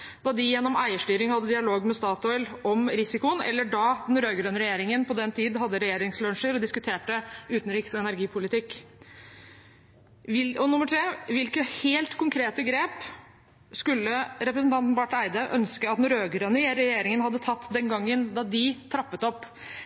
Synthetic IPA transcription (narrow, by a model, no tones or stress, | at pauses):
d̪̥ɑd̪ɪjɛnːɔmæɪəʂʈyːɾɪŋhɑd̪ːəd̪ɪɑloːɡmɛst̪ɑːt̪ɔʏlɔmɾɪsɪkʊənɛ̰lːəɖɑd̪ɛnɾøːɡɾøːnəɾɛjeːɾɪŋənpɔd̪ɛnt̪ʰiːd̪ɦɑd̪ːəɾɛjeːɾɪŋslœnʂəɾɔd̪ɪskʉt̪ʰeːʈəʉːt̪n̩ɾɪksɔɛnæɾɡiːpʰʊlɪt̪ɪkː | ɪɔnʊmːəʈʰɾeːʋɪlkəheːlt̪kʰʊŋkʰɾeːt̪əɡɾeːp | skʉlːəɾɛpɾəs̬n̩t̪ɑnt̪nbɑʈːæɪd̪əʔœnskəɑt̪d̪nɾøːɡɾønɾɛjeːɾɪŋənhɑd̪ːət̪ʰɑt̪ːd̪ɛŋɡɑŋːənd̪ɑd̪ɪt̪ʰɾɑpːət̪ɔpː